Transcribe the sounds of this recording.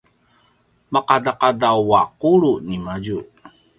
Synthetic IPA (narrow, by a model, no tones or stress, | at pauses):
maqadaqadawwaquɾunimaɟu